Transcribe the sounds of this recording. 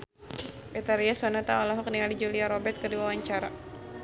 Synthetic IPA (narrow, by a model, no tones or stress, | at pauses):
bɛt̪aɾiasɔnat̪aɔlɔɦɔk̚nialid͡ʒuliaɾɔbɛt̪̚kərdiwawaɲt͡ʃaɾa